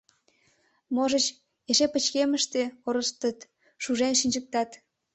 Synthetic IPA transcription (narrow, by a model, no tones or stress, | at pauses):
moʒət͡ɕ | eʃepət͡ɕkeməʃt̪eoɾəst̪ət̪ | ʃuʒenʃ̬inʲd͡ʑək̚t̪ɑt̪